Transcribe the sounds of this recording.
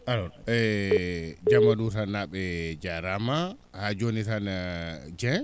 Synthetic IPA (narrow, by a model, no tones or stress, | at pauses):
aɾɔɛ | d͡ʒamːadutanaɓɛd͡ʒaɾama | had͡ʒonitanad͡ʒɛ̃